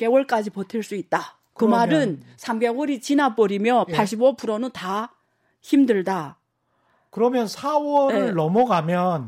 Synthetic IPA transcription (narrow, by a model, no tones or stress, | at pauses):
ke̞wʌɭk͈ad͡ʑipotʰeɭs͈uit̚t͈a | kɯmaɾɯnsʰambe̞wʌɾit͡ɕinapʌɾimjʌpʰaɭɕ͈ibopuɾʌnɯta | çimdɯɭda | kɯɾʌmjʌnsʰawʌɾeɯɭːʌmʌɡamjʌn